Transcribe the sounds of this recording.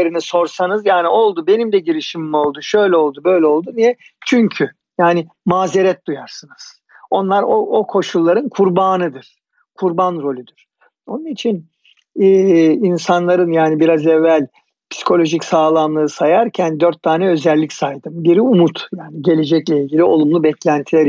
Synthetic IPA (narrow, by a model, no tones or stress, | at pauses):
eɾiniso̞ɾsanɯzjaːnio̞lˠd̪ube̞nimd̪ɛɟiɾiʃimimo̞lˠd̪uʃøjlʲɛo̞lˠd̪ubø̞jlʲɛo̞lˠd̪unijɛ | t͡ʃʰyɲcʰy | jaːnɪ | maːzeɾɛt̪̚d̪ujaɾsɯnɯz̥ | o̞nlˠaɾoʔokʰo̞ʃulˠːaɾɯnkʰuɾbaːnɯd̪ɯɾ̥ | kʰuɾbanɾo̞lʲyd̪yɾ̥ | o̞nunit͡ʃʰinː | insanlˠaɾɯnjaːnibiɾazɛvːælʲ | pʰsi̥kʰo̞lʲo̞ʒicsaːlˠamlˠɯɯsajaɾcʰænd̪øɾt̪ʰːaːnɛø̞zɛlʲːicʲsajd̪ɯmbiɾiumut̪jaːniɟe̞lʲe̞d͡ʒɛclʲɛilʲɟʲilʲio̞lˠumlˠubɛclʲænt̪ʰilʲɛɾ